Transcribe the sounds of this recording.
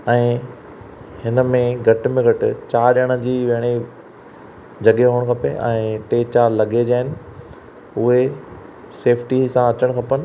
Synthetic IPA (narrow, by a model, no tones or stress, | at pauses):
ɛ̃ː | hɪnə̆mẽɡʱɐʈ̆mẽɡʱɐʈɪt͡ɕaːɾɗəɽ̃ə̆d͡ʑiːʋeɦɪɽ̃i | d͡ʑɐɠeɦoːəɽ̃kʰɐpḛʔɛ̰̃ːʈeːt͡ɕaːɾlɐɠed͡ʑaːɦɪnɪ̆ | ʊɦe | seːfʰʈisãɐt͡ɕəɽ̃kʰɐpənɪ̆